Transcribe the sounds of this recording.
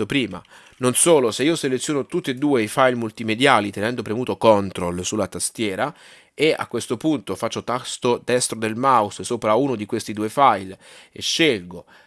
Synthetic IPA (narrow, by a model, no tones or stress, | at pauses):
opɾiːma̰ | nonsoːloseiːoselet̪sjoːnot̪ut̪ːied̪ːuːeifajlmult̪imed̪jaːlit̪enɛnd̪opɾemuːt̪okɔnt̪ɾolsulːat̪ast̪jɛːɾa | ea̰kːwest̪opunt̪ofat͡ʃːot̪ast̪od̪ɛst̪ɾod̪elmawussoːpɾaunod̪ikwest̪id̪uːefajlḛʃːelɡo